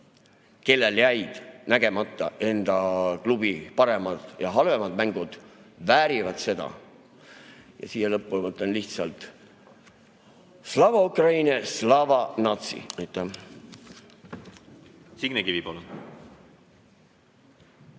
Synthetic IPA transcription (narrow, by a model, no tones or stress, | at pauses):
ke̞lːeljæjd̪̥næɡ̥e̞mɑt̪ːˑɑʔe̞nd̪̥ɑklubipɑɾe̞mɑd̪̥jɑɦɑlve̞mɑd̪̥mæŋɡ̥ud̪̥væːɾivɑd̪̥se̞d̪̥ɑ̰ | jɑ̰siːhelɤpːulmɤt̪lenliht̪sɑlt̪ | slɑvɑukrɑjneslɑvɑnɑt̪sḭejt̪ːˑɑm | siɡ̥nekivipol